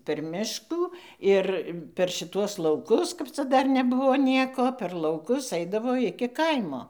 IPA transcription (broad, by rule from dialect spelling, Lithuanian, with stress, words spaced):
pʲɛr ˈmʲɪʃkuː ˈɪr pʲɛr ʃʲɪˈtuɔs lˠɐʊˈkʊs kɐp ˈt͡sɐ ˈdɐr nʲɛˈbʊʋoː ˈnʲiɛkoː pʲɛr lˠɐʊˈkʊs ˈɐɪdɐʋoː ˈɪkʲɪ ˈkɐɪmoː